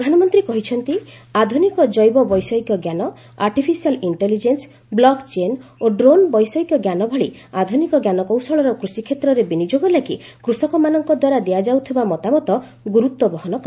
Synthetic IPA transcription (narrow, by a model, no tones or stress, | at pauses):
pd̪ʱanɔmɔnt̪ɾikɔɦit͡ʃʰɔnt̪iad̪ʱunikɔd͡ʒɔjbɔbɔjsɔikjɔɡjanɔ | a̰ɾʈipʰisialiɳʈelid͡ʒens | blɔkt͡ʃenoɖɾonbɔjsɔikɔɡjanɔbʱɔɭiad̪ʱunikɔɡjanɔkɔw̃sɔɭɔɾɔkɾusikʰet̪ɾɔɾebinid͡ʒoɡɔlaki | kɾusɔkɔmanɔŋkɔd̪waɾad̪ejad͡ʒawt̪ʰibamɔt̪amɔt̪ɔ | ɡuɾut̪wɔbɔɦɔnɔkɔ